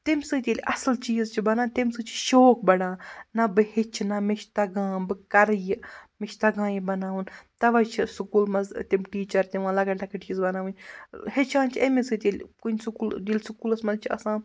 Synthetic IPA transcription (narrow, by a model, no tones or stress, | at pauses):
t̪imʲsɨːt̪ʲilʲʔɐslt͡ʃiːzt͡ʃʰibɐnaːt̪imsɨːt͡ʃʰi̥ʃoːk̚bɐɽãːnɐbɨhit͡ʃʰinɐmit͡ʃʰt̪ɐɡãːbɨkɐɾjimit͡ʃʰt̪ɐɡãːjibɐnaːʋunt̪ɐʋɐt͡ʃʰisukuːlmɐzt̪imʈiːt͡ʃɐɾt̪iʋãːlɐɡɐʈɐkɐʈt͡ʃiːzbɐnaːʋnʲhit͡ʃʰãːnt͡ʃʰiɐmisɨːt̪ʲelʲkunʲsukuːld̪ʲilʲsukuːlɐsmɐzt͡ʃʰiɐsãː